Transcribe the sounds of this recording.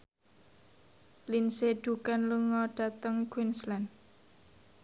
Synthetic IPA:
linseɖ̥ukanluŋɔɖ̥ä̤t̪əŋkwinslan

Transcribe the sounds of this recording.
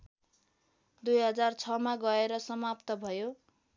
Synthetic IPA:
d̪ujɦʌd͡zart͡sʰʌmaɡʌeɾʌsʌmapt̪ʌbʱʌjo

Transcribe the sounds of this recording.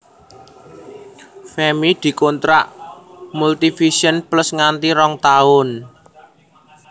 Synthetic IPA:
fɛmid̪̥i̤kont̪ɾa̰ʔmult̪ifiʃiənplʊsŋant̪iɾɔŋt̪aʊn

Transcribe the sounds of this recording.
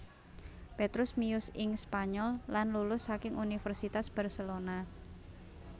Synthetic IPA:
pet̪ɾʊsmiʊsɪŋspaɲɔlːanlulʊsːakɪŋunifərsit̪asb̥arselona

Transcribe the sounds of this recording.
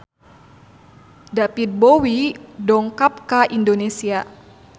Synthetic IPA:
dapit̪̚bowidɔŋkap̚kaʔindonesia

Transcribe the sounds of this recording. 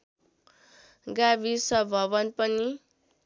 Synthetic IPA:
ɡabisʌbʱʌβʌnpʌni

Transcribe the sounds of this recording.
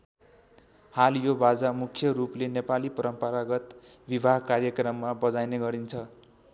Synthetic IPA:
haljobad͡zamukʰjʌɾuplenepalipʌɾʌmpʌɾaɡʌt̪ | bibʱaɦkarjʌkrʌmːabʌd͡zajneɡʌɾint͡sʰʌ

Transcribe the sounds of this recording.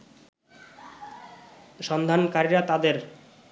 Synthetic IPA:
ʃɔnd̪ʱankaɾiɾat̪ad̪eɾ

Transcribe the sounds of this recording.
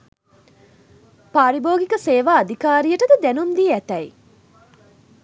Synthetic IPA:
paːɾiboːɡikəseːʋaːɐd̪ikaːɾijəʈəd̪ɐd̪ænund̪ijeæt̪ɛi

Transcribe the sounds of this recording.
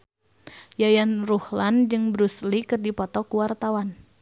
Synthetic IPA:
jajanruhland͡ʒɨŋbɾuslikɨrdipɔt̪ɔkuwart̪awan

